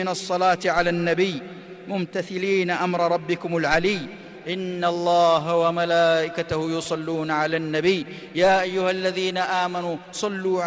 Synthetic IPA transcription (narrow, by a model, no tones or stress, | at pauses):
ɪnɑsˤːɑlaːt̪ʕalaːnːabɪjː | mʊmt̪aθɪliːnaʔamɾˤɑɾˤɑbːɪkʊmalʕalɪː | ʔɪnːalˤːɑːɦawamalaːʔɪkat̪ahʊjʊsˤɑlːuːnaʕalaːnːabɪjː | jaːʔajːʊhalːaðiːnaʔaːmanusˤɑlːuːʕ